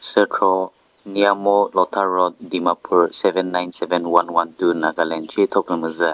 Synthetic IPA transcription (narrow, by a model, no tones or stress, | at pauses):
sətʰɾɔ | niamɔlɔtʰaɾɔt̚ːimapʰuɾsɛbɛnːajnsɛbɛnwanwantunaɡalɛnt͡ʃʰitʰɔpɯmɯza